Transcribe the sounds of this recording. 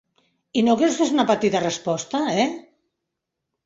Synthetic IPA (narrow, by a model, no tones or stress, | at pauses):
inokɾewskezunɐpat̪it̪ɐrəspɔst̪aɛ